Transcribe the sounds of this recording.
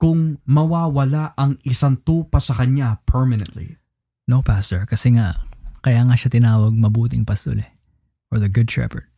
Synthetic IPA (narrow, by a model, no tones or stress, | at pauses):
kʊŋmɐwaːwɐlaʔɐŋʔɪsant̪uːpɐsɐkɐɲapʰɛɹmɪnɛnt̪lḭ | nopast̪ɔɹkɐsɛŋakɐjaːŋaʃat̪ɪnaːwɐɡ̚mɐbuːt̪ɪŋpɐst̪olɛ | ʔɔɹðɐɡʊd̪̚t̪ɹɛ̰pɛɹd̪̚